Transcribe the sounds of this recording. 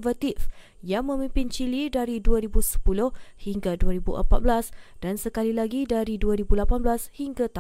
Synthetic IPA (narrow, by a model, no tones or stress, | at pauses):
vat̪if | jaŋmə̃mĩmpɪnt͡ʃilidaɾiduaɾibusə̥pulʊhhiŋɡaduaɾibṵʔə̰mpat̪̚blasd̥ansəkalilaɡidaɾiduaɾibulapanblashiŋɡat̪a